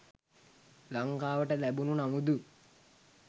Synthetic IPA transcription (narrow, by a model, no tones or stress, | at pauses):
laŋkaːʋəʈəlæbununamud̪u